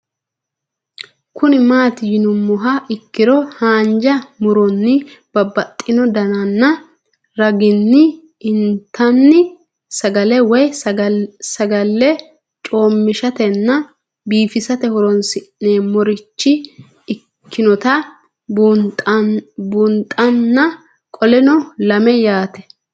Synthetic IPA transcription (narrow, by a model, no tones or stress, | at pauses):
kʰʊnɪmaːt̪ɪjɪnʊmːɔɦɐɪkːɪɾɔhaːnd͡ʒɐmʊɾɔnːɪb̥ɐbːɐt̪ʼːɪnɔd̪ɐnɐnːɐ | ɾɐɡɪnːɪ | ɪnt̪ːɐnːɪ | sɐɡɐlɛwɔj | sɐɡɐlːɛ | t͡ʃʼo̞ːmːɪʃɐt̪ɛnːɐ | biːfɪsɐt̪ɛhɔɾɔnsɪʔːeːmɔɾɪt͡ʃːɪ | ɪ | kʰːɪnɔt̪ɐ | bʊnt̪ʼɐnːɐ | kʼɔlɛnɔlɐmɛjaːt̪ɛ̥